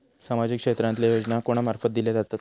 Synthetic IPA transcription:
samad͡ʑikʂet̪ɾãnt̪lajod͡ʑnakoɽ̃amaɾfət̪̚d̪ilezat̪at̪

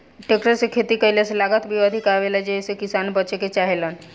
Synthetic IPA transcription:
ʈekʈəɾsekʰet̪ikəileselaɡət̪bʱiəd̪ʱikaʋelad͡ʒesekisaːnbətːt͡ʃeket͡ʃaɦelən

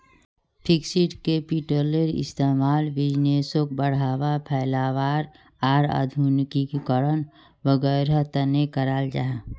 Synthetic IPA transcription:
pʰɪksiʈkepiʈoːleɾɪ̰st̪eːmaːlbɪd͡ʒneːsõk̚bəɽ̤aːʋapʰɛɪlaːʋaːɾ | aːɾa̰ːd̪ʱunɪkikkəɾən | ʋəɡəːɾət̪ənekəɾaːld͡ʒa̰ː

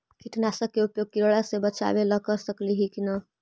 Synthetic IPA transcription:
kiʈnasəkːeupjoɡ̚kiɾoɽasebət͡ʃa̰beləkəɾsəkliɦikina

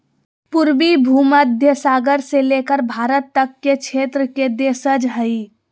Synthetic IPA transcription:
puɾbibʱuːməd̪ʱjəsaːɡəɾseleːkəɾbʱaːɾət̪ːəkːekʃʰeːt̪ɾəked̪eːsəd͡ʒɦəi

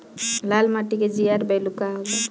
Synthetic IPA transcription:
lalmaʈiked͡ʒiaɾbajlukaɦɔba

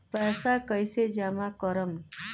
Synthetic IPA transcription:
pɛsakəjsed͡ʒamakɔɾəm

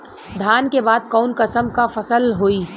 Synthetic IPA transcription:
d̪ʱaːnkebaːd̪̚kɔːnkəsəmkafɐsəlɦoːiː

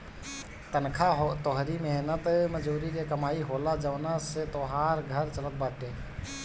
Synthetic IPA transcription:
t̪ənkʰaɦt̪oɦɾimeɦnət̪məd͡ʒuːɾikekəmaːiɦoːlad͡ʒəʋnaset̪oːɦaːɾɡʱəɾt͡ʃələt̪̚baːʈeː

